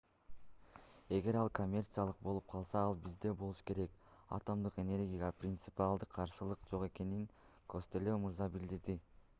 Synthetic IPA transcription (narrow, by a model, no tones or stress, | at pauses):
e̞ɡe̞ɾɑlˠkʰo̞mʲːe̞rt̪sɨjalˠɯq̚bo̞lˠup̚qʰɑlˠsɑɑlˠbizd̪e̞bo̞lˠuʃke̞ɾe̞kɑ̰t̪o̞md̪ɯqe̞nʲe̞rʲɡʲijaprʲɪnt̪sɨpʲialˠd̪ɯqʰːɑɾʃɯlˠɯqd͡ʒo̞qe̞ke̞niŋ | kʰo̞st̪elemuɾzɑbild̪iɾd̪i